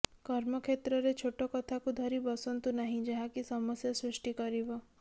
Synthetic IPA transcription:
kɔɾmɔkʰet̪ɾɔɾet͡ʃʰoʈɔkɔt̪ʰakud̪ʱɔɾibɔsɔnt̪unaɦĩd͡ʒaɦakisɔmɔsjasɾusʈikɔɾibɔ

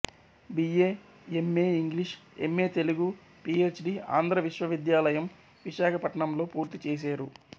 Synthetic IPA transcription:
biːeː | emːeːiŋɡliʂe̞̰mːe̞ːt̪e̞luɡu | piːe̞ːt͡ʃɖia̰ːnd̪ʱɾɐʋiʃʋɐʋid̪jaːlɐjɐm | ʋiʃaːkʰɐpɐʈɐɳɐmlo̞ːpuːɾt̪it͡ʃeːs̬aːɾu

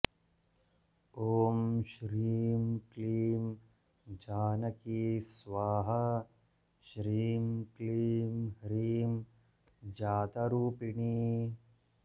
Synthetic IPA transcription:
oːmʃɾiːmkliːm | d͡ʒaːnɐkisʋaːɦɐ | ʃɾiːmkliːmhɾiːm | d͡ʒaːt̪ɐɾuːpiɳiː

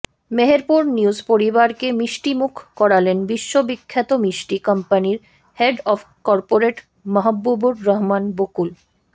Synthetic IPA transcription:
meɦeɾpuɾniuzpoɾibaɾkemiʃʈimukʰkɔɾalenbiʃːobikʰːat̪omiʃʈikʌmpaniɾ | heɖɔfʰ | kɔɾpoɾeʈ | mɔɦabːubuɾɾɔɦmanbokul

